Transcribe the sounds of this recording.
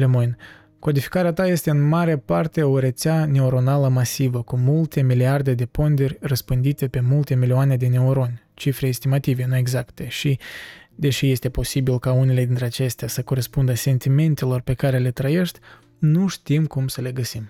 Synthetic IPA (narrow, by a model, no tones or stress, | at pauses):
lemojn | ko̞d̪ifi̥kaɾeat̪aje̞st̪e̞ɨnmaɾeapart̪e̞o̞ɾe̞t̪seane̞oɾo̞naləmasivəkumult̪e̞miliard̪e̞d̪e̞po̞nd̪erʲrəspɨnd̪it̪e̞pe̞mult̪emilioane̞d̪e̞ne̞uɾo̞nʲ | t͡ʃifɾe̞ːst̪imat̪ive̞nue̞ɡzakt̪e̞ʃid̪e̞ʃije̞st̪e̞po̞sibilkaune̞le̞d̪int̪ɾe̞at͡ʃe̞st̪easəko̞ɾe̞spund̪əse̞nt̪ime̞nt̪e̞lo̞rpe̞kaɾe̞le̞t̪ɾəje̞ʃt̪ʲ | nuʃt̪imkumsəle̞ɡəsim